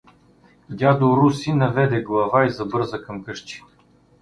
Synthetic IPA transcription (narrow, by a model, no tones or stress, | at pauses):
ɡʲad̪oɾusinɐvɛd̪ɛɡlˠɐvaizɐbɤɾzəkɐmkɤʃt͡ʃi̥